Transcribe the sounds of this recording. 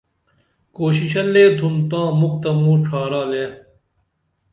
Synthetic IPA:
koːɕiɕɐlːeːd̪ʱunt̪ãːmuk̚t̪ɐmũːʈ͡ʂʰaːɾaːleː

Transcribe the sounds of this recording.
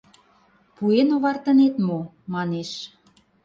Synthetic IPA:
puenoβɑrt̪ə̆net̪mo | mɑneʃ

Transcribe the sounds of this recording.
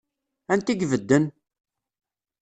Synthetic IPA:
ænt̪iɡvəd̪ːən

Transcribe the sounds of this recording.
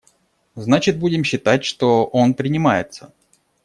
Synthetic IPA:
znat͡ɕɪt̪̚budʲɪmɕːɪt̪atʲʂt̪o̞ʔonpɾʲɪnʲɪmajɪ̰t̪sə

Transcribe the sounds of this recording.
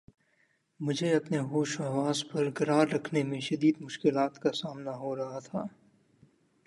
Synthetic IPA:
mʊd͡ʒʱeɐpneɦoːʃaːʋaːzpɐɾɡɐɾaːɾːɐkʰnemẽʃɐd̪iːd̪mʊʃkɪlaːt̪kasaːmnaɦoɾɐɦat̪ʰaː

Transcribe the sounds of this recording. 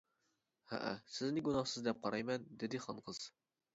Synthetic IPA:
hæ̰ʔæ̰sɪznɪɡunɑχsɨzd̪ɛp̚qʰɑɾɑjmɛnd̪ɪd̪ɪχɑnqɤz̥

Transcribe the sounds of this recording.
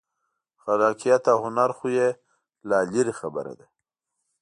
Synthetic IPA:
xaɾɑːkijat̪ahʊnaɾxuje | laliɾixabə̰ɾa̰d̪a

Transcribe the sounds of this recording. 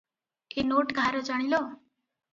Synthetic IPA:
enoːʈɡʱaːɾod͡ʒəɽ̃iloː

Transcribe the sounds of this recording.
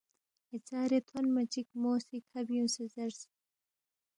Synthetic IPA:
et͡saːɾet̪ʰonmɐt͡ʃikmoːsikhɐbjũnsezɐɾs

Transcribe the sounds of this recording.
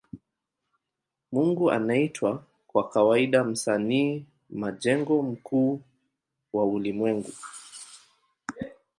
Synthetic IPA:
muŋɡuʔa̰naitwa | kwakawaiɗam̩saniː | maʄɛŋɡɔm̩kuː | waulimwɛŋɡu

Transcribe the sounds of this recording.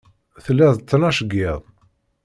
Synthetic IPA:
θəlːæðt͡s̪ːnæʃəɡːɪðˤ

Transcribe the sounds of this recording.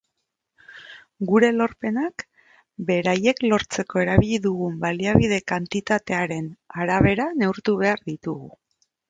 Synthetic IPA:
ɡuɾe̞lo̞ɾpe̞nak | be̞ɾaje̞klo̞ɾt͡se̞ko̞e̞ɾaβiʎiðuɣumbaliaβ̞ið̞e̞kant̪it̪at̪e̞aɾe̞naɾaβe̞ɾane̞uɾt̪uβe̞aɾðit̪uɣu

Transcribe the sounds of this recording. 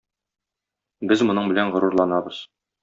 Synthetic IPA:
bɘzmŏnɤɴbɘ̆lænʁŏɾuɾlˠɑnɑbɤz̥

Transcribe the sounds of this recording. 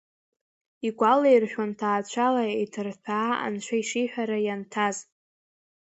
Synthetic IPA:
iɡʷalejrħᶣantʰaːt͡ʃʷʰalaetʰɨrtʰaːa̰nʃʷʰaiʂiħʷᶣaɾajantʰaz

